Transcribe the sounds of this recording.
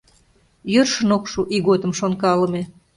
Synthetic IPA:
jørʃə̆nokʃuʔiɣod̪ə̆mʃonkɑlə̆me

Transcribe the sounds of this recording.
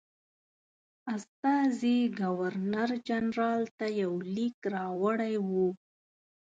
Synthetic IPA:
ast̪ɑziɡawaɾnaɾd͡ʒanɾɑlt̪ajawlikɾɑwəɽajwu

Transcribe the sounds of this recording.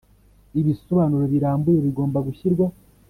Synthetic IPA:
iβiso̞βaːnuɾoβiɾaːmbuje̞βiɡo̞ːmbaɡuçiɾɡwa

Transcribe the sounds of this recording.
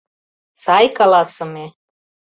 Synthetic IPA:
sɑjkɑlɑsɤ̆me

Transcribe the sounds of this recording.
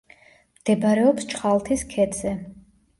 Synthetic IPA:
md̪̥ɛbɾɛɔpst͡ʃʰχalˠt̪ʰiskʰɛd̪z̥ɛ

